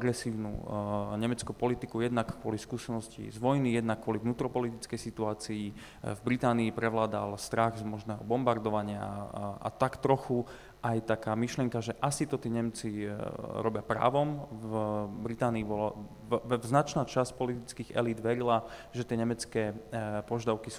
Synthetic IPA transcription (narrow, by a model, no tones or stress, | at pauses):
aɡɾɛsiːʊnṵɲɛmɛt͡skupɔlit̪ikujɛd̪nakkːʊɔliskuːsɛnɔscḭzʋɔjnijɛd̪nakːwɔlivnuːt̪ɾɔpɔlit̪it͡skɛjsit̪uaːt͡sii | vbɾit̪aːniːpɾɛʋlaːd̪a̰lst̪ɾaɣzmɔʒnɛːɦɔbɔmbaɾd̪ɔʋaɲɪa̰a̰t̪akt̪ɾɔxu | ʔajt̪akaːmiʃlɪjɛŋkaʒɛʔasit̪ɔt̪iɛːɲɛmt͡siɾɔbɪapɾa̰ːʋɔm | bɾit̪aːniːbɔla | znat͡ʃnaːt͡ʃascpɔlit̪it͡skiːɣɛ̰lid̪ʋɛɾilaʒɛt̪ɪɛɲɛmɛt͡skɛːpɔʒd̪aʊkis